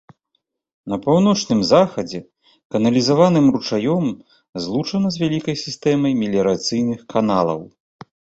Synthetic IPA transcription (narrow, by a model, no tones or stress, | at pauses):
nɐpawnɔt͡ʂnɨmzaxɐd͡zʲɛ | kɐnɐlʲizavanɨmrut͡ʂajɔm | zlˠut͡ʂɐnɐzʲvʲalʲikɐjsʲist̪ɛmɐjmʲilʲɐɾat̪sɨjnɨxkanalˠɐ̰w